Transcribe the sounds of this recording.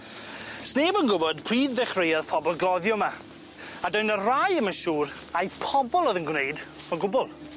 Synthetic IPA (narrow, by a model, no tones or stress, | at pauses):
sneːbənɡʊbɔdpʰriːðːɛχrejaðpʰɔbɔlˠɡlˠɔðjɔma | adɔjnərajəmənʃuːɾ | ajpʰɔbɔlˠɔðənɡwnejd | məɡʊbʊlˠ